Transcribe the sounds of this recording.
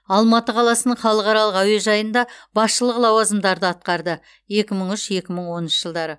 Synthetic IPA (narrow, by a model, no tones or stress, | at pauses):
ɑlˠmɑt̪əqʰɑlˠɑsənəɴχɑlˠəqɑɾɑlˠəqæwe̞ʒɑjənd̪ɑbɑsʃəlˠəqlˠɑwɑzəmd̪ɑɾd̪əɑt̪̚qɑɾd̪ə | je̞kʲɪməɴʏʃje̞kʲɪməɴwo̞nənʃəʒ̥əlˠd̪ɑɾə